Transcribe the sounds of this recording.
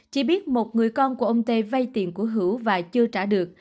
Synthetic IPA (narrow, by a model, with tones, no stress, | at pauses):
t͡ɕi˧ɓi˦˥ət̚mo˨˩t̚ŋɨ˨˩əjkɔ˧nku˧˩əʔə˧wŋ͡mt̪e˧va˧jt̪ḭ˨˩ənku˧˩əɦɨ˧˦wvaː˨˩t͡ɕɨ˧ət͡ɕaː˧˩ɗɨ˨˩ək̚